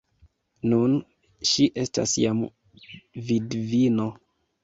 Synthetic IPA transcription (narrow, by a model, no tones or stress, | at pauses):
nun | ʃiʔe̞sta̰sjam | vidvino